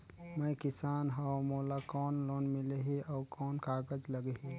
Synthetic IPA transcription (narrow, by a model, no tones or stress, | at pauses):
mɛ̃jkɪsaːnɦamoːlakɔːnloːnmɪleɦeʔɔːkɔːnkaːɡəd͡ʒləɡeɦe